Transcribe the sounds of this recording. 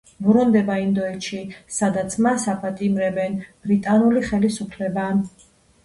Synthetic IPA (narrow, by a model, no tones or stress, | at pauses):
bɾund̪ɛbaind̪ɔɛt̪ʃisad̪at̪sʰmasapʼat̪ʼimɾɛbɛnb̥ɾit̪ʼanuliχɛlisupʰlɛba